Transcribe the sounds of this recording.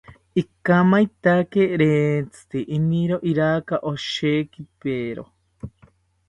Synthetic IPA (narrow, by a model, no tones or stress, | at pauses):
ikamait̪akeɾet͡sɨ̥t̪iʔiniɾoʔiɾakaʔoʃekipeɾo̰